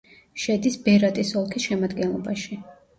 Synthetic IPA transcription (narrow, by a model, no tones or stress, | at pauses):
ʃɛd̪isbɛɾat̪ʼisɔlˠkʰisʃɛmad̪ɡɛnlˠɔ̰baʃi